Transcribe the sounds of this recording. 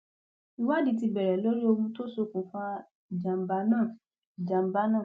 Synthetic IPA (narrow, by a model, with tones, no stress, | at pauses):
i˧wa˦dĩ˨˧˦ti˧bɛ˨ɾɛ˨lo˦ɾi˦o˧mũ˧to˦so˧kũ˨fã˦˨ | d͡ʒã˨m̩˨ba˧˦nãː˦˨ | d͡ʒã˨m̩˨˦ba˧˦nãː˦˨